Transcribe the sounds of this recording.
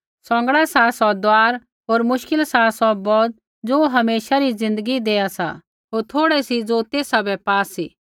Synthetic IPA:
sɔ̃ːŋ̆ɡɽasasɔd̪waːɾ | ɦoːɾmʊʃkɪlsasɔbɔːt̪̚ | d͡zoːɦɐmeːʃaɾid͡zɪ̃nd̪əɡid̪eːasa̰ | ɦoːɾt̪ʰoːɽɛsid͡zot̪eːsabɛpaːsiː

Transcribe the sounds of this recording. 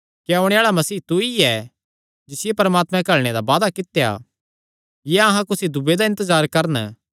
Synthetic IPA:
keoːɽ̃eaːɭamɐsiːt̪uiɛ | d͡ʒɪsɪjepɐɾəmaːt̪mɛ̃kɐɭɽ̃ed̪abaːd̪akɪt̪eja̰ | jɛɐɦãkʊsid̪ʊbed̪aɪ̃nt̪əzaːɾkɐɾn

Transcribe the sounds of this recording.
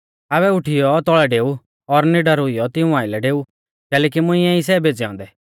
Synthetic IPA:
aːβɛʊʈʰɪjɔt̪ɔɭɛɖeːu | ɔɾnɪɖɐɾʊijɔt̪ɪũaːɪlɛɖeːu | kɛːlɛːkimʊ̃ɪ̃ɛ̃is̬ɛbeːt͡ʃɛɔ̰̃ːnd̪ɛ

